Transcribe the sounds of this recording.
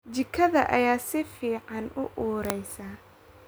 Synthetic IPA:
d͡ʒɪkʰɐðɐ̰ʔɐjaːsɪfiːʕɑnʊ̰ʔuːɾɛjsaː

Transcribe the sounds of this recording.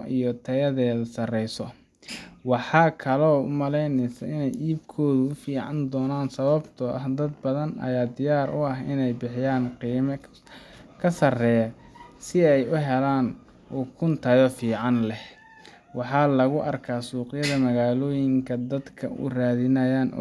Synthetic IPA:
ijɔt̪ʰɐjɐðɛːðɐsɐrɛjsɔ | wɑħɑːkʰɐlɔːʊ̰mɐlɛjnɛsɐ̰ɪnɛjʔiːbkʰɔːðʊʊfiːʕɑnd̪ɔːnaːnsɐβɐbt̪ʰɔʔɐ̰hd̪ɐd̪̚bɐðɐnɐ̰jaːd̪ɪjaːɾʔʊɐɦɪnɛjbɪħɪjaːnqiːmɐ | kʰɐsɐrɛːjɐ | sɪɛjʊɦɛlaːn | ɔːkʰʊnt̪ʰɐɣɔfiːʕɑnlɛh | wɑħɑːlɐɣʊʔɐrkʰaːsuːqɪjɐðɐmɐɣaːlɔːjɪŋkʰɐd̪ɐd̪kʰɐ̰ʊ̰raːðɪnɐjaːnʔɔ̰

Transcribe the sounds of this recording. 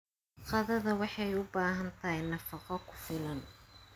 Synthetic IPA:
qɑðɐðɐwɑħɑjʊbaːɦɐnt̪ʰɐɦjnɐfɑqɔkʰʊ̥fɪlɐn

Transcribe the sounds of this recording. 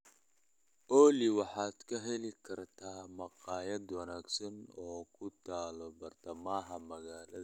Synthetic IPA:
ʔɔːliwɑħɑːd̪̥kʰɐɦɛlɪkʰɐrt̪ʰaːmɐqɑːjɐd̪wɐnaːɡsɐnɔːkʰʊt̪ʰaːlɔbɐrt̪ʰɐmaːɦɐmɐɣaːlɐðɐ

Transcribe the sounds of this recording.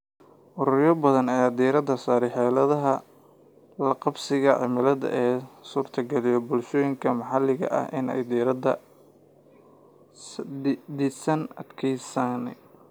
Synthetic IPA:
ʔʊɾʊɾjɔbɐðɐnɐjaːd̪iːɾɐd̪ɐsaːɾɛħɛːlɐðɐɦɐ | lɐqɑbsɪɣɐʕɪ̰mɪlɐd̪ɐ̰ʔɛːsuːrt̪ʰɐɡɛlɪjɔbʊlʃɔːjɪŋkʰɐmɑħɑlɪɣɐ̰ʔɐ̰hʔɪ̰nɛ̰jd̪iːɾɐd̪ɐ̰ | d̪ɪsɐnɐ̰d̪kʰɛjsan

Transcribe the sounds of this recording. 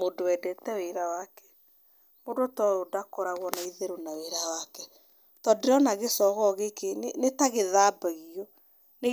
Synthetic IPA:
modowɛdɛtɛweɾawakɛ̥ | modotɔɾodakɔɾaɣwɔnaiðeɾonaweɾawakɛ | tɔdeɾɔnaɣesɔɣɔɣekennetaɣeðaːbaɣiɔ | ne

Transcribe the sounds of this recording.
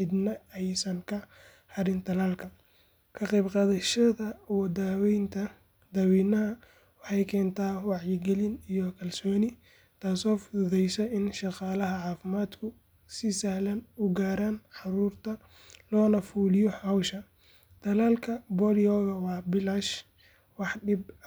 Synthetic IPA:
ħɪd̪nɐɛjsɐŋkʰɐ | hɐɾɪnt̪ʰɐlaːlkʰɐ | kʰɐqɛjbqɑːðɐʃɐðɐwɐd̪aːwɛjnt̪ʰɐ | d̪ɐːwiːnɐɦɐ | wɑħɑjkʰɛːnt̪ʰaːwɑʕjɪɡɛlɪnijɔkʰɐlsɔːnɪ | t̪ʰaːsɔːfʊðɛjsɐɪnʃɑqɑːlɐɦɐʕɑːfɪmaːd̪kʰʊ | sɪsɐhlɐnʊɡaːɾaːnħɑɾuːrt̪ʰɐ | lɔːnɐfuːlɪjɔħɐwʃɐ | t̪ʰɐlaːlkʰɐbɔɾɪɔːɣɐwɑːbɪlaʃ | wɑħɖɪb

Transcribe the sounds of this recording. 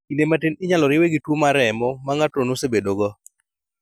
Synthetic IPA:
inematɪnɪɲalɔɾɪweɡitwomaɾɛmɔmaŋatonosebedoɡɔ

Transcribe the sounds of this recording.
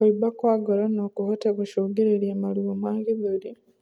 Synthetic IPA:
oibakwaɡalanokuhoteβuʃoːɡeɾeljemaliomaːŋɡiβali

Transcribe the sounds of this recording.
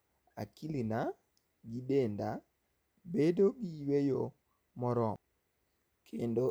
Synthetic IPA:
a̰kilina | ɡidenda | bedoɡiwejo | mɔɾɔm | kʰendo

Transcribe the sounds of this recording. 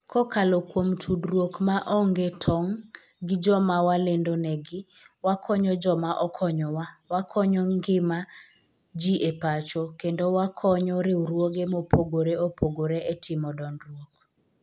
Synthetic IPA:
kʰɔkalokwomtʰudɾwokmaʔɔŋɡetʰɔŋ | ɡɪd͡ʒɔmawalendonɛɡɪ | wakʰɔɲɔd͡ʒɔmaʔɔkʰɔɲɔwawakʰɔɲɔŋɡɪma | d͡ʒiʔepat͡ʃokendowakʰɔɲɔɾɪwɾwoɡemopʰoɡoɾeopʰoɡoɾeetʰɪmɔdɔnɾwok̚

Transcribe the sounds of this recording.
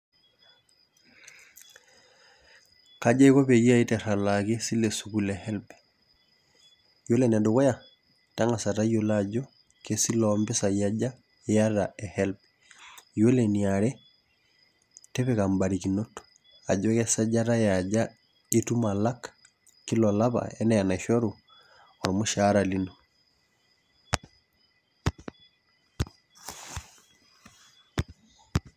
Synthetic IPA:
kad͡ʒaikopejiaitɛɾalakesilesukulɛhɛlpɛ̥ | jolenadokoja | taŋasatajolad͡ʒo | kesilɔmbɛsajad͡ʒa | jadaɛhɛlpɛ̥ | joleniaɾɛ | tɛβɛkambaɾikinoto̥ | aɟwɛkɛsaɟaɾajaɟa | etumalakḁ | kilɔlaβa̰ɛnɛjanaʃɔɾu | ɔɾimoʃaɾalino

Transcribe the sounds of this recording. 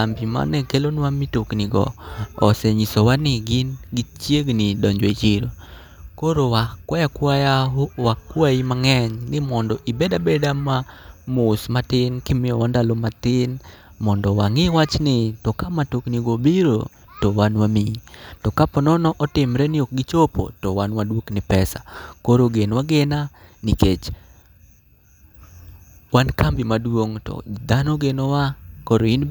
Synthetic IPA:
ambima̰nɛkelonwamitoknɪɡɔ̰ɔsɛɲisowanɪɡɪnɡɪt͡ʃjeɡnɪdɔɲd͡ʒwet͡ʃiɾo | koɾowakwajakwajaɦowakwaimaŋɛɲnɪmɔndɔʔibɛdabɛdamamʊsmatɪnkɪmɪɔwandalomatɪn | mɔndɔwaŋɪwat͡ʃnɪtɔkamatokniɡobiɾo̰ | towanwamitɔkapɔnɔnɔʔɔtɪmɾɛnɪok̚ɡɪt͡ʃopo̰tɔwanwadwoknɪpɛsa̰koɾoɡenwaɡɛnaniket͡ʃ | wankambɪmadwoŋtɔ̰d̪anɔɡenɔwakoɾoin

